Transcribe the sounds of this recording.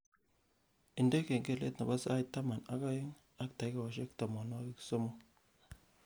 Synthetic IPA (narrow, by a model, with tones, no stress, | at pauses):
ɪ˨nde˦ke˨ŋɡe˦˨lḛ˦tna˨ba˦sa˦i˦t̪ːa˦ma˨na˦ka˦ɪ˦ŋ | a˦kta˨jka˨ɔ˨ʃe˦kta˨mɔ˨nɔ˦i˦kso˦mo˦